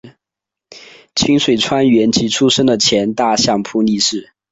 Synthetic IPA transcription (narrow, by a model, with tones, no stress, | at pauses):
t͡ɕʰi˥ŋʂwe˨˩ɪʈ͡ʂʰwa˥nɥɛ˧˥nt͡ɕi˧˥ʈ͡ʂʰu˥ʂɤ˥ŋd̪ə˨t͡ɕʰjɛ˧˥nt̪a˥˧ɕjɑ˥˩ŋpʰu˥ni˥˧ʂɻ̩˥˩